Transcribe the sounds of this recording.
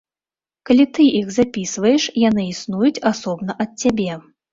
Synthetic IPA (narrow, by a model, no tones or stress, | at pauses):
kalʲit̪ɨixzapʲisvɐjɛʂjanɨisnujut͡sʲasɔbnɐʔɐt̪̚ʲt͡sʲːabʲɛ